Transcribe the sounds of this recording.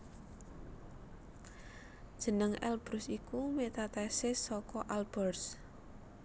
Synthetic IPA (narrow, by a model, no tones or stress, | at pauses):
d̥ʒ̥ə̤nəŋɛ̰lb̥ɾʊsikumet̪at̪ɛsɪsɔkɔʔalb̥ərs